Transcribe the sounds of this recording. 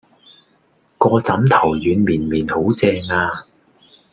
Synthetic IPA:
kɔː˧t͡sɐ˨˥mt̪ʰɐ˨˩wjyː˨˧nmiː˨˩nmiː˨˩nho˨˥wt͡sɛː˧ŋaː˧

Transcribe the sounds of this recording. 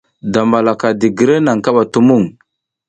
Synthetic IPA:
da˨ma˨la˨ka˨di˨ɡə˨ɾe˦na˨ŋka˦ɓa˨tu˦mu˦˨ŋ

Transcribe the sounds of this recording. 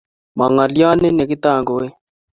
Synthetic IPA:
ma˨ŋa˨lja˦nɛ˦nɛ˨kɪ˦t̪a˦˨ŋɡo˨e˦

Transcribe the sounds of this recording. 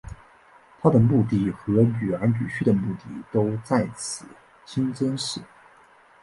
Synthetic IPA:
t̪ʰa˥d̪ə˨mu˥˧t̪̬i˥˩xɤ˧˥ny˨˩ɻa˧˥npy˨˩t͡ɕʰy˥˩d̪ə˩mu˥˩t̪i˥˩t̪o˥ʊt͡sa˥˩ɪt͡sʰɹ̩˨˩˦ | t͡ɕʰi˥nt͡sə˥nʂɻ̩˥˩

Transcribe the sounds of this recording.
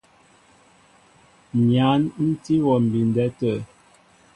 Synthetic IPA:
mja˨˦nn̩˦ti˦wɔ˨m̩˨bi˨n˨dɛ˦tə˦˨

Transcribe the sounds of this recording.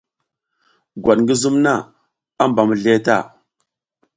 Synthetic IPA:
ɡʷa˨ɗŋɡə˦zu˦mna˦˨ | a˦mba˨mə˨ɮe˦ta̰˦˨

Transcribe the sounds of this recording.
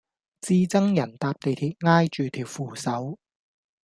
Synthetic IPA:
t͡siː˧t͡sɐ˥ŋjɐ˨˩nt̪aː˧p̚t̪e˨jt̪ʰiː˨˩t̚ŋaː˥jt͡ʃyː˨t̪ʰiː˨˩wfuː˨˧sɐ˨˥w

